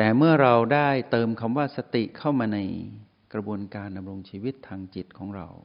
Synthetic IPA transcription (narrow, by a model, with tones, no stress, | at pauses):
t̪ɛː˨˩mɯ˥˩ɐɾa˧wdaː˥˩jt̪ɤː˧mkʰa˧mwaː˥˩sa˧t̪i˨˩kʰa˥˩wmaː˧na˧j | kɾa˧bu˧ənkaː˧nda˧mɾo˧ŋt͡ɕʰiː˧wi˦˥t̪ʰːaː˧ŋt͡ɕi˨˩t̪̚kʰɔː˩˦ŋɾa̰˧w